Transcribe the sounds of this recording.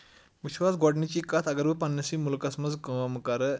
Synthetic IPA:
ʋiɕʋas̬ɡɔɽnit͡ɕikat̪ʰəɡəɾʋəpanːəsiːmulkɐsmət͡skəmkaɾə

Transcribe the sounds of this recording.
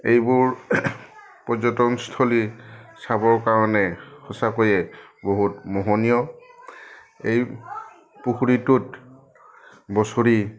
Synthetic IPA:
ejbuɹ | pɔzɔtɔmstʰolisabɔɹkaɹɔnɛxɔsakojɛboɦutmɔɦɔnijɔ | ej | puxuɹitut | bɔsoɹi

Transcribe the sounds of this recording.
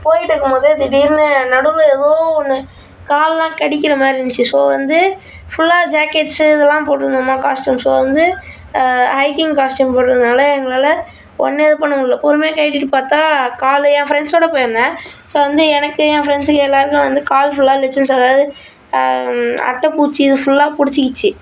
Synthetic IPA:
poːjɪʈːɯkːɯmboːðɯɪðɯɖiːɾnɯnɐɽɯlɯɛðoːɔnːɯ | kaːllãːkɐɽɪk̬ʲːɪɾɐmaːɾɪɪnt͡ʃːɯsoːʋɐnd̪ɯ | fʊlːaːd͡ʒaːkːeʈsɯɪðɛlːãːpoːʈːɯɾɯnd̪amaːkaːsʈumsoːʋɐnd̪ɯ | hɐɪkːɪ̃ŋkaːsʈumpoːʈːɾɐðɯnaːlɐɛŋɡɐɭaːlɐ | ɔ̰nːeːðɯpɐɳːʊ̃ɪlːɐpɔɾɯmeːkɐɪʈːɪʈːɯpaːɾt̪ãːkaːljɛ̃ːfɪɾɛɳɖsoːɽɐpoːjɾɐnãː | soːʋɐnd̪ɯɛnɐkːɯɛ̃ːfɾɛɳɖsɯkːɯɛlːaːɾɯkːʊ̃ʋɐnd̪ɯkaːlfʊlːaːlɛsɐnsɐðaːɐðɯ | ɐ̰ʈːɐpuːt͡ʃːɯɪðɯfʊlːaːpʊɽɪt͡ʃːɪkːɪt͡ʃːɯ

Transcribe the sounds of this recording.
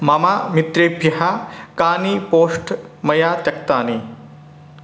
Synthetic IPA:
mɐmaːmit̪ɾeːpjɐɦakaːnipoːsʈmɐjaːt̪jɐk̚t̪aːni

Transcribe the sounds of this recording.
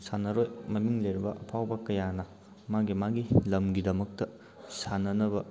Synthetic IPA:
sanɐɾojmɐmiŋlejɾibɐʔɐpʰawbɐkɐjanɐ | maɡimaɡilɐmɡidɐmɐk̚tɐ | sanɐnɐbɐ

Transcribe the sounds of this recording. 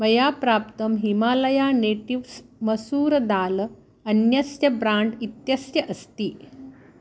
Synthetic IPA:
mɐjapɾaːp̚t̪əmɦimaːləjaneʈiʋsməsuːɾd̪aːl | ənjɐsjɐbɾãɳɖit̪jɐsjɐʔəst̪iː

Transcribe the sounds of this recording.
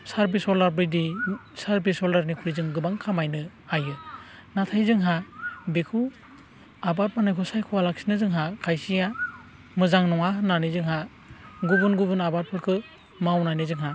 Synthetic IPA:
saɾbisɔlaɾbɯjdisaɾbisɔlaɾnikʰuɾizɯŋɡɯbaŋkʰamajnɯ | ajɯ | natʰajzɯŋɦabekʰu | abat̚manajkʰɔsajkʰuwalaksi̥nɯzɯŋɦakʰajsija | mɯzaŋnɔŋaɦɯnanizɯŋɦa | ɡubɯnɡubɯnabat̚pʰɯɾkʰɯ | mawnanizɯŋɦa

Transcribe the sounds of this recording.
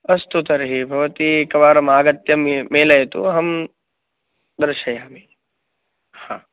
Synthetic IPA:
ɐst̪ut̪ɐɾɦibʱɐʋɐt̪ikɐʋaːɾɐmaːɡɐt̪jɐmmeːlɐjt̪ṵɦɐm | d̪ɐɾʃɐjaːme | hãː

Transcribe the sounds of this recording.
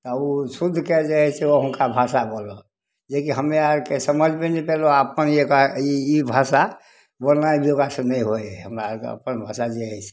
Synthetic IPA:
t̪ɔusud̪ʱːked͡ʒeɦɛsɛoɦũnkabʱasabolo | d͡ʒekiɦəmeaɾkesəməd͡ʒʱmenipeloəpənekaiibʱasa | bolnaibʱiokasə̃nəiɦojɦəmɾaə̰pənbʱasad͡ʒeɦɛt͡ʃʰɛ̥

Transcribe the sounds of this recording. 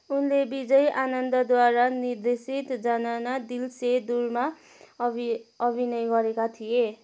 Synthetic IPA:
unlebid͡zʌjʔanʌnd̪ʌd̪waɾanird̪esit̪d͡zʌnanad̪ilsed̪urma | ʌbʱinʌjɡʌɾekat̪ʰije

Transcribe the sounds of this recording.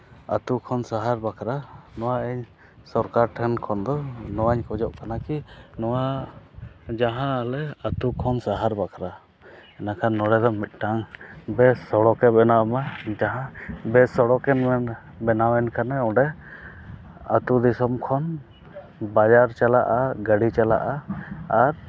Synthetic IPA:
a̰t̪ukʰɔnsaɦaɾbakɾanɔwaɛɲ | sɔɾkaɾʈʰɛnkʰɔnd̪ɔnɔwaɲkɔd͡ʒɔʔkanakinɔwa | d͡ʒaɦãlɛat̪ukʰɔnsaɦaɾbakʰɾa | ɛnakʰanːɔɽɛd̪ɔmit̪̚ˀʈaŋbɛsɔɽɔkɛbɛnamad͡ʒaɦãbɛsɔɽɔkɛnɛn | bɛnawɛnkanɛɔɖɛ | ə̰t̪ud̪isɔmkʰɔn | bad͡ʒaɾt͡ʃalaʔaɡəɽit͡ʃala̰ʔaː | ɾ

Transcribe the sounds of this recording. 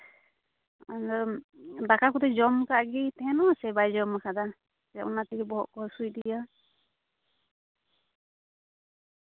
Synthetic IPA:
andɔbakakut̪ɛd͡ʒɔmkaɡit̪ɛɦɛnɔsɛbajd͡ʒɔmːakʰad̪a | a̰ʔunat̪iɡɛbɔɦɔ̰t̪̚kɔsujd̪ija

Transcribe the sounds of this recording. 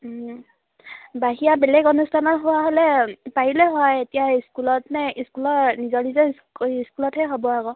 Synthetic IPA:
baɦijabɛlɛkɔnustʰanɔtɦowaɦolɛpaɦilɛɦɔjetijaiskulɔtnɛiskulɔɹnizɔnizɔ | iskulɔtɦɛɦobɔaɡɔ

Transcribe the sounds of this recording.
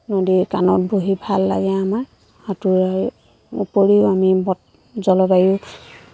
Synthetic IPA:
nodikanɔt̚bʱoɦibʱalːa̰ɡɛama | atuɹa | ṵpoɹiʊamibɔt̚ | zɔlɔbajʊ

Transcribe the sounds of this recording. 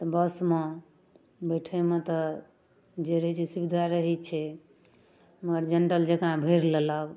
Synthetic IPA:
t̪ɔbəsme | bəʈʰəmet̪ɔ | d͡ʒeɾəɦɛt͡ʃʰɛsubid̪ʱaɾəɦɛt͡ʃʰɛ | məɡəɾd͡ʒeɳʈəld͡ʒekãbʱəɾlelək

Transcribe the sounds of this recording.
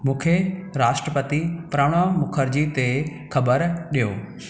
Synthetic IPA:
mũːkʰeɾaːʃʈɾəpət̪ipɾaːʋɽ̃amʊkʰəɾd͡ʑit̪e | kʰɐbəɾɗijoː

